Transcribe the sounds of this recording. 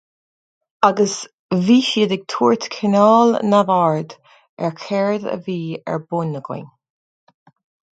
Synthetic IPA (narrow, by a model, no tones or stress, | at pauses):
aɡəs | viːʃiːd̪ɪɡ̥̚t̪ʰuːɹt̪kʰɪnɔːlnavaɹd̪ | ɛ̰ɹkʰɛɹd̪ə̰viːɛ̰ɹbʊnəɡɪ̰n